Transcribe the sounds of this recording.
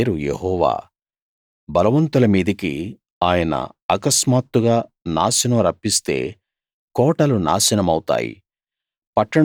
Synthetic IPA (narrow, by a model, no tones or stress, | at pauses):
ɾujḛɦɔːʋa̰ː | bɐlɐʋɐnt̪ulɐmiːd̪ikḭ | aːjɐnɐ̰ɐkɐsmaːt̪ːuɡaːnaːsɐnɐmɾɐpːist̪e̞̰ː | kɔːʈɐluna̰ːsɐnɐmɐwut̪a̰ːjḭ | pɐʈːɐ